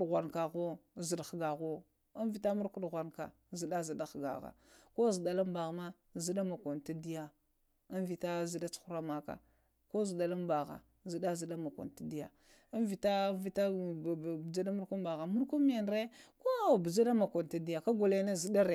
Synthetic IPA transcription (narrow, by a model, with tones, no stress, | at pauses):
ɣʷa˨nka˨ɣo˦zi˨dxɡa˨ɣo˦ | a˦nvi˨ta˦mu˦ɾku˦dɣʷa˨nka̰˨ | zi˨ɗa˦zi˨da˦xɡa̰˨ɣa̰˨ko˦zi˨da˨la˦mba˨ɣma˦ | zi˦da˦ma˨ko˨nta˦di˦ja˦ | a˦nvi˨ta˦zi˨da˦t͡su̥˦u˦ɾa˦ma˦ka̰˨ | ko˦zi˨ɗa˨la˦mba˨ɣa̰˨ | zi˨ɗa˦zi˨da˦ma˨ko̰˨n˨ta˦di˦ja̰˨ | a˦nvi˨ta˦vi˦ta˦˨ | bd͡ʒa˦da˦mu˦ɾku˦ba˨ɣa˨mu˦ɾku˦m˦e˨nɾe˦ko˦˨bd͡ʒa˦da˦ma˨kʷo˨nta˦di˦ja˨ka˦ɡo˨le˦na˦zi˨da˦ɾe˨